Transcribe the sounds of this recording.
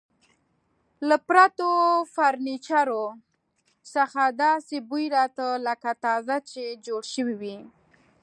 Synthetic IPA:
lapɾat̪ofaɾnit͡ʃaɾo | saxad̪ɑsebujɾɑt̪ələkat̪ɑzat͡ʃed͡ʒoɽʃəwiwi

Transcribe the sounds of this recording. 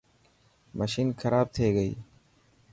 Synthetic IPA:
məʃiːnxʰɐɾaːb̚t̪ʰeːɡəḭː

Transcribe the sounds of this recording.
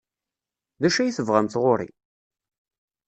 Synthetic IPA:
ðæʃæjiθəvʁæmθʁoɾḭ

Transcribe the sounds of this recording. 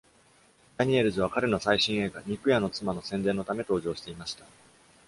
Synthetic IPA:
d̪̥aɲ̟ie̞ɾɯ̟zɨβakaɾe̞no̞saiɕĩɰ̃e̞ɡaɲ̟ikɯ̟jano̞t͡sɨmano̞sẽnd̪e̞nːo̞t̪ame̞t̪o̞ːʑo̞ːɕi̥t̪e̞imaɕi̥t̪ḁ

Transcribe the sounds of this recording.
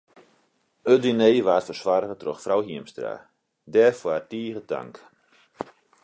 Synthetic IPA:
ødyneːʋaːtfərswaɾəɣətroxfrawɦiəmstra̰ | dɛrfwartiːɣəta̰ŋk

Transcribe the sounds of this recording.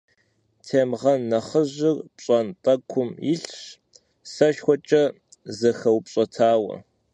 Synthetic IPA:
tʰeːmʁɐnːɐχəʑɪrpɕʼɐntʼɐkʷʰʊmɪɬɕ | sɐʃxʷɔt͡ʃʼɐ | zɐxɐwpɕʼɐtʰaːwɐ̰

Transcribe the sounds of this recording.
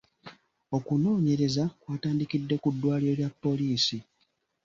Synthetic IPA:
o̞kuno̞ːɲe̞ɾezakwaːtaːndikidːe̞kudːwaːliɾo̞ljapːo̞liːsi

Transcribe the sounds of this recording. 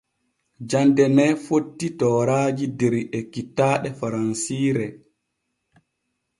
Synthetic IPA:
d͡ʒandɛnɛːfotːitɔːɾaːd͡ʒidɛɾiʔekːitːaːɗɛfaɾansiːɾɛ

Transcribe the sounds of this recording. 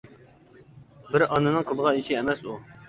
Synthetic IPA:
bɪɾɑnɨnɨŋqʰəlˠəʁɑiʃɪɛmɛsu

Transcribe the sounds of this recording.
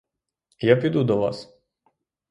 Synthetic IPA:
japʲid̪ud̪ɔʋɑ̰s

